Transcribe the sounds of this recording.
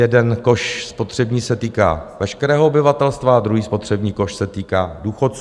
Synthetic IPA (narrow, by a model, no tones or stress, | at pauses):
jɛdɛnko̞ʃspo̞t̪r̝̥ɛbɲiːsɛt̪iːka̰ːvɛʃkɛɾɛːɦoobɪvat̪ɛlst̪vaad̪ɾuɦiːspo̞t̪r̥ɛbɲiːko̞ʃsɛt̪iːkaːduːxot̪t͡s